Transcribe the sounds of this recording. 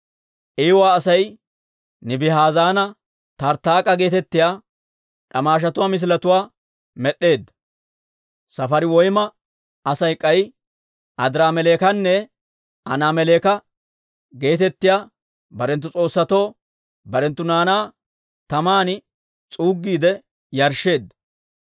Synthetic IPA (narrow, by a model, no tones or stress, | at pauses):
ʔɛjwaːsɐj | nɪbɪɦaːzaːnɐ | t̪ɐɾt̪ːaːkʼɐɡe̞ːt̪ɛt̪ːɪjaː | ᶑɐmaːʃ̬ɐt̪ʊwaːmɪs̬ɪlɐt̪ʊwaː | mɛɗe̞ːd̪ːɐ̥ | sɐfɐɾɪwɔjmɐ | ɐsɐjkʼɐj | ʔɐd̪ɾaːmɛleːkɐnːɛ | ʔɐ̰naːmɛleːkɐ | ɡe̞ːt̪ɛt̪ːɪjaː | bɐɾɛnt̪ːʊt͡sʼo̞ːsːɐt̪o̞ː | bɐɾɛnt̪ːʊnaːnaː | t̪ɐmaːnɪ | t͡sʼuːɡːiːd̪ɛ | jɐɾʃe̞ːd̪ːɐ